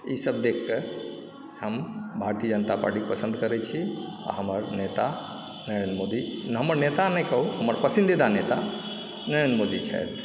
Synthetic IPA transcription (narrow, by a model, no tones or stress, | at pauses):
iːsəbd̪ekʰke | hɐmbʱaːɾt̪iəd͡ʒənt̪apa̰ɾʈipɐsə̃nd̪kɐɾet͡ʃʰḭ | ɦɐməɾneːt̪a | nəɾə̃nmoːd̪iɦɐməɾneːt̪anɐkɐɦuɦɐməɾpɐsɪ̃nd̪ed̪ʱaneːt̪a | nəɾẽnmoːd̪it͡ʃʰɛ̰et̪